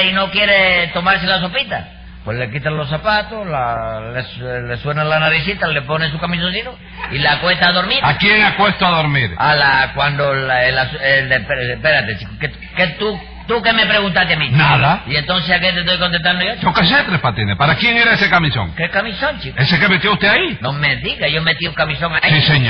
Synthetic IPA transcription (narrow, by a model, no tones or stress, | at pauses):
ino̞kje̞ɾet̪o̞maɾselas̬o̞pit̪a̰ | pwehle̞kit̪anlo̞s̬apat̪olalesle̞swe̞nalanaɾisit̪ale̞po̞nes̬ukamis̬onsit̪o | ilakwe̞st̪aðo̞ɾmiɾakjeŋakwe̞st̪oaðoɾmiɾalakwand̪olaelaselepeepeɾat̪et͡ʃikoke | ket̪u | t̪ukeme̞pɾeɣunt̪at̪eamĩnaðaie̞nt̪o̞nsesak̬et̪et̪ojkont̪e̞ht̪and̪ojot͡ʃokaset̪ɾehpat̪inehpaɾakje̞ŋe̞ɾaese̞kamiso̰ŋkekamisõɲt͡ʃikesekemet̪joust̪eainomed̪iɣaʝomet̪iukamisoŋasiseɲ